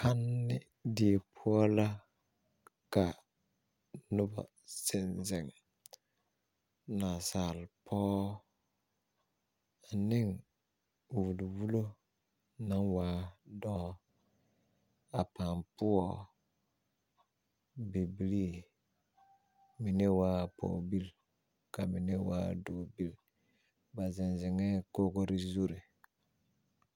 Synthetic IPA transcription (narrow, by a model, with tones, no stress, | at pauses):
kʰa˦nːɪ˦ | di˨e˨pʰʊ˦ɔ˦la˦ | ka˨ | nʊ˦ba̰˨ | sɪ˨nzɪ˨ŋ | na˨saː˨lpʰɔː˦˨ | nɪ˦ŋ | wu˨lwu˦lo˦ | nã˦ŋwaː˨˦dɔ˦ | a˨pa˨mpu˦ɔ˨ | bi˨bi˨li˦ | mi˨ne˦waː˦˨pʰo̰ː˨bi˦˨l | ka˨mi˨ne˦wa̰˦do˨bi˦l | ba˨zi˨nzi˨ŋɛ˦ko˦ɡo˦ɾi˦zu˦ɾe˨